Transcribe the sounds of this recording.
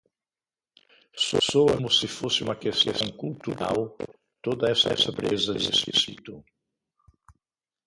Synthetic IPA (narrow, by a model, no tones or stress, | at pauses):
sɔ̰soɐmʊsɪfosɪũmɐkesḛsɐ̃w̃kult̪uɾa̰w | t̪od̪ɐɛsɐɛsɐpɾezɐḛzesḭsḭt̪u